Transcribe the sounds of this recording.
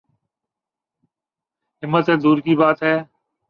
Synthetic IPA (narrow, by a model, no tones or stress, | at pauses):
ɦɪmːət̪ɦɛːd̪uːɾkiːbaːt̪ɦɛː